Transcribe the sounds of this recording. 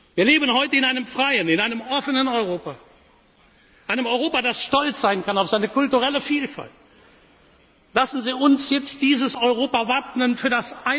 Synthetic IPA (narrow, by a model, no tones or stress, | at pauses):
viːɐleːbənhɔʏtəɪnaɪnəmfʁ̥aɪənɪnaɪnəmʔɔfənənɔʏʁoːpa | ʔaɪnəmɔʏʁoːpadasʃtɔlt͡sz̥aɪnkanaʊfz̥aɪnəkʊltuʁɛləfiːlfa̰lt | lasn̩ziːʊnsjɛt͡std̥iːzəsɔʏʁoːpavapnənfyːɐdasʔaɪ